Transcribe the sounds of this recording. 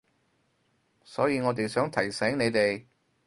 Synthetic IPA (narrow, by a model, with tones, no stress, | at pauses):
sɔː˨˥jiː˨˧ŋɔː˨˧t̪̬e˨jsœː˨˥ŋt̪ʰɐ˨˩jsɛː˨˥ŋne˨˧jt̪e˨j